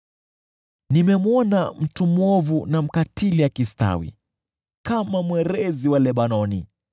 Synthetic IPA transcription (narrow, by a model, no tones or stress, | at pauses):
nimɛmwɔnam̩tumwɔvunam̩katilijakista̰wḭ | kamamwɛɾɛziwalɛɓanɔnḭ